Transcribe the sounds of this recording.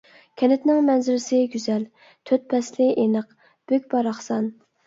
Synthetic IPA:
kʲʰɛnɪt̪nɪŋmɛnzɪɾɪsɪɡʲyzɛl | t̪ʰøt̪̚pʰɛslɪʔenəq | b̥økʲbɑɾɑχsɑn

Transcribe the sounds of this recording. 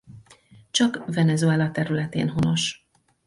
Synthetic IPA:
t͡ʃɒkvɛnɛzuɛlɒt̪ɛɾylɛt̪ḛːnɦo̞no̞ʃ

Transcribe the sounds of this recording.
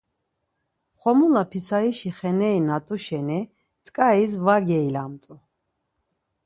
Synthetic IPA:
χɔmulapʰisʰaiʃiχɛnɛinat̪ʼuʃɛni | t̪t͡sʼkʼaisvaɡɛilamt̪ʼu

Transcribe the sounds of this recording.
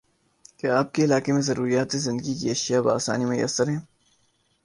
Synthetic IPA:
keaːp̚keɪlaːkemẽzɐɾuːɾijaːt̪ezɪ̃nd̪əɡikiɐʃjaba̰ːsa̰ːnimɐjə̰səɾɦɛ̃ː

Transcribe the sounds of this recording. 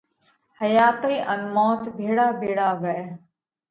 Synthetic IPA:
həjaːt̪əiːʔə̃nmɔːt̪bʱeːɽaːbʱeːɽaːʋɛː

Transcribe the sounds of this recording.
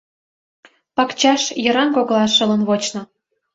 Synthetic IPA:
pɑkt͡ɕɑʃjɤ̆ɾɑnkoɣlɑʃə̆lə̆nβot͡ɕnɤ̆

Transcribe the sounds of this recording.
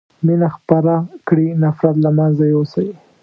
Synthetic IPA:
minaxpaɾakɽinafɾat̪lamanzajosaji

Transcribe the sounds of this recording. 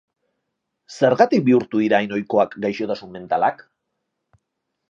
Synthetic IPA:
se̞ɾɣat̪ik̚biuɾt̪uðiɾaːjno̞jko̞akɡajʃo̞t̪asunme̞nt̪alak

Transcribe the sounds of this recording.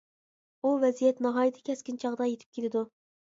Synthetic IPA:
uvɛzijɛt̪nɑɦɑːjit̪ʰɪ̥kʲʰɛskʲint͡ʃʰɑʁd̪ɑjet̪ʰɪp̚kʲelɪd̪u

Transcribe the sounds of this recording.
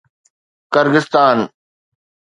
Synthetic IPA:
kəɾɡɪst̪aːn

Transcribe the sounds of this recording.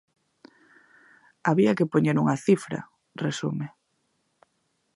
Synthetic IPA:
aβiɐkepoɲeɾuŋɐθifɾɐ̰ | resume

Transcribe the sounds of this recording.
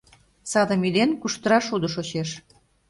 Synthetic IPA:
sɑd̪ə̆milenkuʃt̪əɾɑʃud̪ə̆ʃot͡ɕeʃ

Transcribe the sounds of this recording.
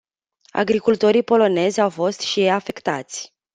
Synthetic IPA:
a̰ɡɾikult̪o̞ɾijpo̞lo̞ne̞zʲawfo̞st̪ʃijeafe̞kt̪a̰t̪sʲ

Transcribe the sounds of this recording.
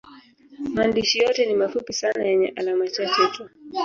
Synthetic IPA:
maaːndiʃijɔtɛnimafupisanajɛɲɛʔalamat͡ʃat͡ʃɛtu

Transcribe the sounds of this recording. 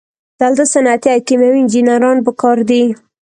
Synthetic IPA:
d̪̥ald̪əsanat̪iakimawiɪnd͡ʒinaɾɑnpəkɑɾd̪i

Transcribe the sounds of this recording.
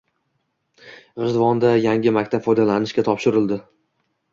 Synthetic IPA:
ʁɨzd̪vɒnd̪ajaŋʲɪmakʲt̪apfɒjd̪alanɪʃkʲat̪ʰɒpʃɪɾɪlˠd̪ɪ

